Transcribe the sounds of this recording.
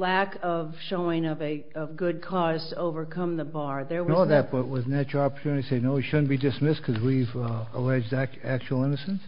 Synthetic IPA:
lækʌv̥ʃoʊɪ̃ŋʌvɨ | ʌvɡʊd̚kʰɔz̥tʰəoʊvə˞kʰʌ̃mðəbɑɹðə˞wnʌoðɨt̚b̥ʌt̚wʌznɨt͡ʃə˞ɑpə˞tʰʉ̃nɨɾiɾiseɪnoʊɨʃʊdⁿn̩b̥idɨsmɪskʰʌzwivəlɛd͡ʒdæ | æk̚t͡ʃuwl̩ˠɪ̃nɨsɨ̃ns

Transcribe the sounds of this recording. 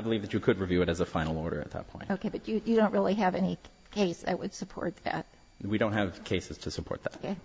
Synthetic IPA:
aɪbəlivðɨt͡ʃɨkʰɨd̚ɹivjʉɨɾɨzəfãɪ̃nl̩ˠɔɹɾə̰˞ɨ̰t̪̚ðə̰t̚pʰɔ̃ɪ̃noʊkeɪbʌtɨjɨdõʊ̃nt̚ʔɹɪlˠiɨvɛni | kʰeɪsðɨ̰t̚wɨd̥sɨpʰɔ̰ɹt̪̚ðæ̰t̚ | wiɾõʊ̃ntɦɨv̥kʰeɪsɨz̥tʰɨsəpʰɔ̰ɹt̪̚ðætkeɪ

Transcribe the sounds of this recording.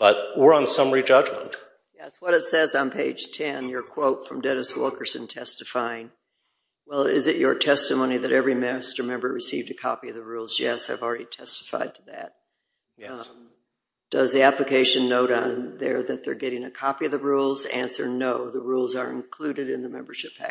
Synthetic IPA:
b̥ʌt̚wɪɹə̃nsʌ̃mɹid͡ʒʌd͡ʒmə̃nt | jɛswʌɾɨtsɛzn̩pʰeɪd̥ʒ̥tʰɛ̃njə˞kʰw̥oʊtfɹʌ̃mdɛɾɨswɪ̰lˠkʰə˞sɨ̃ntʰɛstɨfaɪɪ̃ŋ | wɛlˠɪ̰zɨt͡ʃə̰˞tʰɛstɨmõʊ̃ñiðɨɾʔɛvɹimæstə˞mɛ̃mbə˞ɹɨsivdɨkʰɑ̰piʌvðəɹulˠzjɛsaɪvl̩ˠɹɛɾitʰɛstə̥fa̰ɪd̚tʰɨðæ̰t̚ | d̥ʌzðiæpləkʰeɪʃɨ̃nːoʊɾn̩ðə̰˞ðɨt̪̚ðə̰˞ɡɛɾɪ̃ŋɨkʰɑpiʌvðəɹulˠzæ̰̃nsə˞noʊðəɹulˠzə˞ɨ̰̃nkʰl̥ʉɾɨɾɨ̃nðəmɛ̃mbə˞ʃɪpæ̰

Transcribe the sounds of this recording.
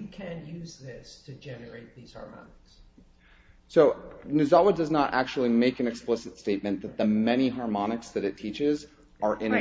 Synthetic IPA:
ikʰɨ̃njʉzðɪstʰɨd͡ʒɛnə˞eɪt̪̚ðiz̥hɑ̰ɹmɑ̰nəks | soʊnʉzɑwədʌznəɾʔæ̰k̚t͡ʃul̩ˠimeɪkɨ̃nɨksplɪsɨtsteɪt̚mɨ̃nðɨt̪̚ðɨmɛñiɦɑɹmɑnɨksðɨɾɨtʰit͡ʃɪz | ʔə˞ʔɪ̃n

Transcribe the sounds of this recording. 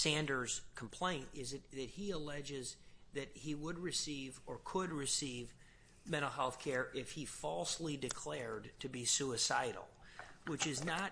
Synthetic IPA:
sæ̃ndə˞z̥kʰm̩pʰl̥ẽɪ̃ntɪzɨtðɨt̚hiəlɛd͡ʒɪzðɨt̚hiwəd̚ɹɨsivə˞kʰəd̚ɹɨsiv | mɛ̃ɾ̃l̩ˠɦɛlˠθkʰɛɹʔɪfhifɔlˠslidɨkʰl̥ɛɹd̚tʰɨbisuɨsaɪɾl̩ˠwɨt͡ʃɨznət

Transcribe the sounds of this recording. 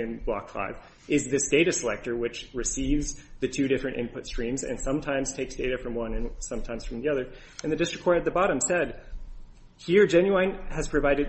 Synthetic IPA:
ɨ̃nblɑ̰kfa̰ɪv | ʔɪzðɪsd̥eɪɾɨsəlɛ̰k̚tə˞wɨt͡ʃɹɨsivzðɨtʰʉɾɪfɹɨ̃ntɪ̰̃npʰʊtstɹ̥ĩmzɨ̰̃nsʌ̃mtʰãɪ̃mz̥tʰeɪksd̥eɪɾɨfɹʌ̃mwʌ̃nɨ̃nsʌ̃mtʰãɪ̃mz̥fɹʌ̃mðiʌðə˞ | ʔɨ̃nðɨdɪstɹ̥ɨkʰɔɹɨd̪̚ðɨbɑɾɨ̃msɛd̚ | hiɹd͡ʒɛ̃njʉãɪ̃nɨz̥pʰɹ̥ɨvaɪɾɨd̚

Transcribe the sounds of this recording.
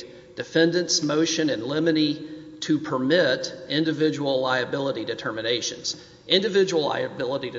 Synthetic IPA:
d̥ɨfɛ̃ndɨ̃nsmoʊʃɨ̃nɨ̃nlɪ̃mɨɾiɾɨpʰə˞mɪɾɪ̃ndɨvɪd͡ʒəwl̩ˠlaɪɨbɪlˠəɾidɨtʰɜ˞mɨneɪʃɨ̰̃nz̥ | ʔɪ̃ndɨvɪd͡ʒəwl̩ˠla̰ɪɨbɪlˠəɾiɾɨ

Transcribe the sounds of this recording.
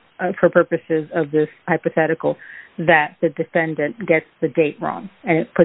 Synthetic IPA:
fə˞pʰɜ˞pɨsɪzʌvðɪshaɪpɨθɛɾɨkl̩ˠðɨt̪̚ðɨdɨfɛ̃ndɨ̃nɡ̥ɛtsðɨdeɪʔ̚ɹɔ̰̃ŋɨ̃nɨt̚pʰʊ

